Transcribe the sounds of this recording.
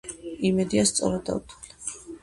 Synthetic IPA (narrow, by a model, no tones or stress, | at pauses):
imɛd̪iast̪sʼɔ̰ɾad̪a̰ut̪ʰuli̥